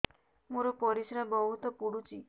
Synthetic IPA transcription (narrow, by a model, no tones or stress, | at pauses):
muɾɔpɔɾisɾabɔɦut̪ɔpuɽut͡ʃʰi